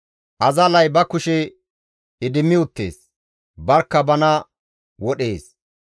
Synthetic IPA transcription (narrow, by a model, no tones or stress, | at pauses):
ʔɐzɐlɐjbɐkʊʃɛ | ɪd̪ɪmːɪʊt̪ːḛːs | bɐɾkːɐbɐnɐ | wɔɗe̞ːs